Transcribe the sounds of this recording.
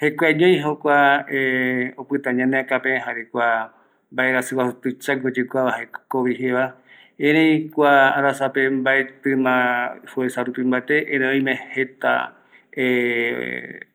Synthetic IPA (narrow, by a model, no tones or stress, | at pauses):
hekʷaɲõj̃ɦokʷaeopɨt̪ãɲãneakapẽɦaɾekʷa | mbaʔeɾasɨwasot̪ɨt͡ʃaŋɡod͡ʒɨkʷaahekoβiɦeβa | ẽɾẽjkʷaaɾasapembaet̪ɨmãhuesaɾupĩmbat̪eʔẽɾẽõj̃mẽhet̪a̰ | e